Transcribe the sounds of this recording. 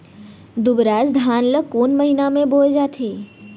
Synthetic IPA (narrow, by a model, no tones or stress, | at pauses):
d̪ubɾad͡ʒd̪ʱanləkonməɦinamẽbold͡ʒat̪ʰe